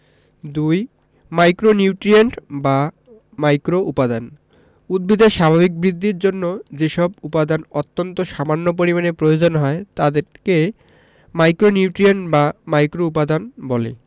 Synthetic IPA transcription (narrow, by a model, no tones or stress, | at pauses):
d̪uj | majkɾoniwʈɾieɳʈba | majkɾoʔupad̪an | ud̪̚bʱid̪eʃabʱabik̚bɾid̪ʱːiɾd͡ʑonːod͡ʑeʃɔbupad̪anot̪ːont̪oʃamanːop̬oɾimanepɾojod͡ʑonɦɔet̪ad̪eɾke | majkɾoniwʈɾieɳʈbamajkɾoup̬ad̪anbɔlḛ